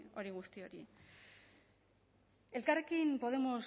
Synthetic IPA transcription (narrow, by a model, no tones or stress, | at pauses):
o̞ɾiɣ̞ust̪io̞ɾi | e̞lkare̞kimpo̞ð̞e̞mo̞s